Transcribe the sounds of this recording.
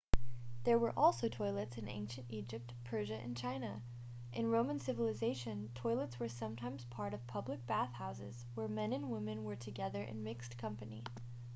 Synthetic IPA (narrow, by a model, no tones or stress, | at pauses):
ðə˞wə˞ʔɔlˠsoʊtʰɔɪlˠɨtsɨ̃nʔḛ̃ɪ̃nʃɨ̃ntid͡ʒɨp̚tpʰɜ˞ʒɨʔɨ̰̃nt͡ʃʰãɪ̃nɨ | ʔɨ̃nɹõʊ̃mə̃nsɪvəl̩ˠɨzeɪʃɨ̃ntʰɔɪlˠətswə˞sʌ̃mtʰãɪ̃mz̥pʰɑɹɾʌv̥pʰʌblɨk̚b̥æθhaʊsɪ̰z̥ | wə˞mɛ̃nɨ̃nwɪ̃mɨ̃nwə˞tʰɨɡɛðə˞ʔɨ̰̃nmɪkskʰʌ̃mpɨnḭ